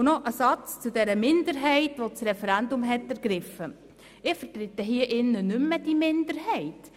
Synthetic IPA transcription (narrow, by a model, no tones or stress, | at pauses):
nɔʔəsɑt͡st͡sudɛɾəmɪndəɾɦɛɪtʋot͡sɾɛfɛɾændʊmɦɛtæɾɡ̥ɾɪfə | ɪfəɾt̪ɾɪtːəɦiːəʔɪnːənʏmːəd̥imɪndəɾhɛɪt